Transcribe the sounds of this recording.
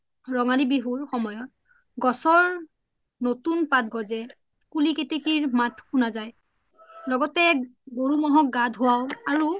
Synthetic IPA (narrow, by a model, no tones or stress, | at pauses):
ɹɔŋalibiɦuɹxɔmɔjɔt̚ | ɡɔsɔɹ | notunpat̚ɡɔzɛ | kuliketikiɹmatʰkunazaj | lɔɡɔtɛɡoɹumɔɦɔk̚ɡadʱɦʊwawaɹu